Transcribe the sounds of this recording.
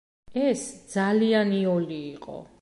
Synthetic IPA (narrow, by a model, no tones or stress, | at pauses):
ɛsdd̪zalianiɔliːqʼɔ̰